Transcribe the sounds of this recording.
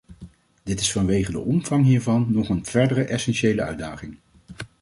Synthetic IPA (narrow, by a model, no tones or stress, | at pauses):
d̥ɪtɪsfɑnʋejχədə̰ʔɔmv̥ɑŋɦiːɹvɑnːɔχənv̥ɛɹdərəʔɛsɛnʃejləœ̰ɥdaːχɪŋ